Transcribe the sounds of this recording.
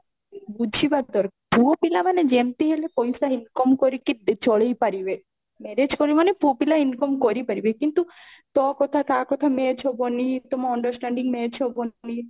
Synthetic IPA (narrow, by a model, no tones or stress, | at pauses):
bud͡ʒʱibad̪ɔɾpʰupilaʋaned͡ʒemt̪iɦelepɔjsainkɔmkɔɾikid̪t͡ʃɔɭejpaɾiʋe | mɛɾed͡ʒkɔɾiʋanepupilainkɔmkɔɾipəɾiʋekint̪ut̪ɔkɔt̪ʰat̪ʰakɔt̪ʰamet͡ʃʰobɔnit̪ɔmaɔɳɖəɾsʈɛ̃ɳɖiŋɡmet͡ʃʰobonni